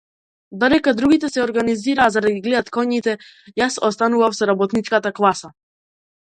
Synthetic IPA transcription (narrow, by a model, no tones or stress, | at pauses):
d̪ad̪ɛkad̪ɾuɡit̪ɛsɛɔɾɡaniziɾaːzad̪aɡiɡlɛd̪at̪kɔɲit̪ɛ | jasɔst̪anuvafsɔɾabɔt̪nit͡ʃkat̪aklˠasa